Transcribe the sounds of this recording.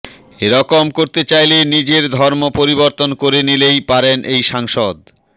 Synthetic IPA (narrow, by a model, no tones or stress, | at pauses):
eɾɔkomkoɾt̪et͡ɕajlenid͡ʑeɾd̪ʱɔɾmopoɾiboɾt̪onkoɾenilejpaɾenʔejʃaŋʃod̪